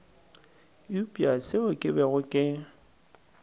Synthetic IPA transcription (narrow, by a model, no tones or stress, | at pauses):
upʼiasɪʊkʼɪbɛɣʊkʼɪ